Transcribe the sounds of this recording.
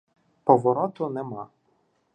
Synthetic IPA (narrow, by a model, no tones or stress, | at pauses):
pɔʋɔɾɔt̪ʊnɛma